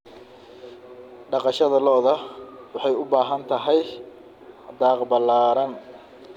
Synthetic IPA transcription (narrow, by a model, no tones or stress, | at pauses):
ɖɑqɑʃɐðɐlɔːðɐwɑħɑjʊbaːɦɐnt̪ʰɐɦɛj | d̪aːqbɐlːaːɾɐn